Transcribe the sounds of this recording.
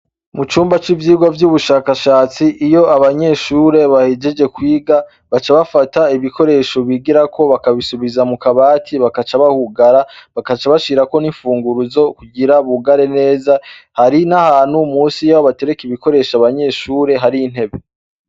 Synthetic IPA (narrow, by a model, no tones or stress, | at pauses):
mut͡ʃuːmbat͡ʃivjiːɡwavjuβuʃaːkaʃaːt͡siʔːjo̞aβaɲe̞ʃuːɾe̞βahed͡ʒe̞d͡ʒe̞kwiːɡa | βat͡ʃaβafataiβiko̞ɾe̞ːʃo̞βiɡiɾakʰo̞βakaβisuβizamukaβaːtʰiβakat͡ʃaβahuɡaɾaβakat͡ʃaβaʃiːɾako̞niɱfuːŋɡuɾuzo̞kuɟiɾaβuɡaɾe̞ne̞ːzahaɾinahaːn̥humuːsijawaβate̞ɾekiβiko̞ɾe̞ːʃaβaɲe̞ʃuːɾe̞ɦaɾijin̥he̞βe̞